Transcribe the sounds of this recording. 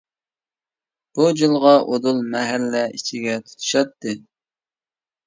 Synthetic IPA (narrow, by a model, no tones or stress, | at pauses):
b̥ud͡ʒɨlˠʁɑʔod̪ulˠmɛɦælːɛit͡ʃʰiɡʲɛt̪ʰu̥t̪ʰu̥ʃɑt̪ːɨ